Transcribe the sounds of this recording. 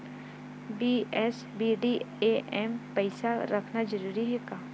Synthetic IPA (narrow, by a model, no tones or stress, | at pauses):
biːɛs | biːɖiːeʔɛːmpɐɪsaɾɐkʰnad͡ʒəɾuːɾiɦɛkaː